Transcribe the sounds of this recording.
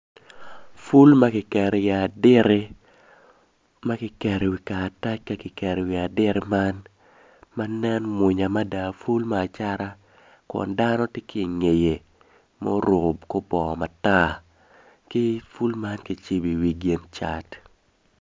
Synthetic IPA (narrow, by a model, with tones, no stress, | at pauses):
fu˦lma˦kɪ˨kɛ˨ɾe˨ja˨dɪ˦ɾe˦ | ma˦kɪ˨kɛ˨ɾe˨wi˨kaː˨ta˦t͡ʃka˦kɪ˨kɛ˨ɾe˨wi˨a˨dɪ˦ɾma˦n | ma˦nɛ˦nmwʊ˨ɲa˨ma˦da˨fu˦lmaː˦˨t͡ʃa˦ɾa˦ | kɔ̰˨nda˦nɔ˦tɪ˦kɪ˦˨ŋe˨je˨ | mo˦ɾo˨bko˦bɔ˨ma˨ta˦ | kɪ˦fu˦lma˦nkɪ˨t͡ʃi˦bi˨wi˨ɡe˦nt͡ʃa˦t